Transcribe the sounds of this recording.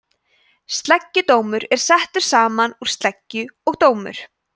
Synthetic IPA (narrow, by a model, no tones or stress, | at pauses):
st̪lɛcːʏt̪oːwmʏɾɛɾ̥sɛht̪ʏɾ̥saːmanuɾ̥st̪lɛcːʏɔɣt̪oːwmʏ̰ɾ̥